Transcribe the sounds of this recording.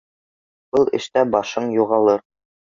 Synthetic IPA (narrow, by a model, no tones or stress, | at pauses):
b̥ɤlˠɘ̆ʃt̪æbɑʃɤɴjuʁɑlˠɤɾ